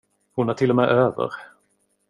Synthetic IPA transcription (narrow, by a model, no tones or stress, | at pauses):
hʊnæʈʰɪlːɔmɛːʔøːvə̰ɾ